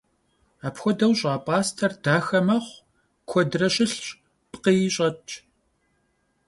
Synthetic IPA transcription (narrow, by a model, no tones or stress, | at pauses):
aːpxʷɔdɐwɕʼaːpʼaːstʰɐrdaːxɐmɐχʷ | kʷʰɔdrɐɕɪɬɕ | pqijɪɕʼɐt͡ʃʰʼ